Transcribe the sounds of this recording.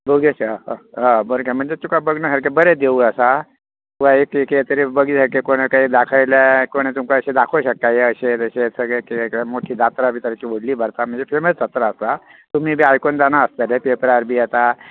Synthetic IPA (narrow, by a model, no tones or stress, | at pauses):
bʱuɡesãbəɾkam̤əɳd͡zet̪ukabəɡnasəɾkebəɾɛd̪eʋuəsa | t̪ukaekeket̪əɾibəɡiːsəɾkekoɽ̃ekaɦiːd̪akʰəjlakoɽ̃et̪umkaəɕed̪akʰoɕəkːajeəɕet̪əɕesəɡɭɛkemoʈʰiːd̪at̪ɾabit̪əɾt͡ɕiːʋoɽliːbʱəɾt̪am̤əɳd͡zefeməsd̪at̪ɾaəst̪a | t̪um̤iːbʱiajkond͡z̪anaəst̪əɾepepəɾaɾbʱiːjɛt̪a